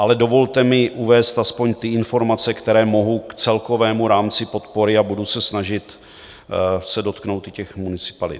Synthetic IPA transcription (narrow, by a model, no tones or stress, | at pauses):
ʔalɛdo̞vo̞lt̪ɛmɪʔuvɛːst̪aspo̞ɲt̪ɪɪnfo̞ɾmat͡sɛkt̪ɛɾɛːmo̞ɦowkt͡sɛlko̞vɛːmuɾaːmt͡sɪpo̞t̪po̞ɾɪabudusɛsnaʒɪt̪ | sɛdo̞t̪knowt̪ɪcɛxmunɪt͡sɪ̥palɪ̰t̪